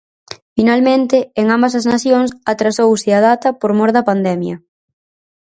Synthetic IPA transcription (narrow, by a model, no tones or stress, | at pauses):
finalmẽnt̪ɪeŋambɐsɐznaθjoŋsat̪ɾasowsɪað̞at̪ɐpoɾmoɾðɐpand̪ɛmjɐ